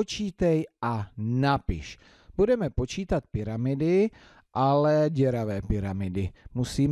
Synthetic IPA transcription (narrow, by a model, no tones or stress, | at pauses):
ot͡ʃiːt̪ɛjʔanapɪ̰ʃ | b̥udɛmɛpo̞t͡ʃiːt̪at̪̚pɪɾamɪdɪ | ʔalɛɟɛɾavɛːpɪɾamɪdɪmusiː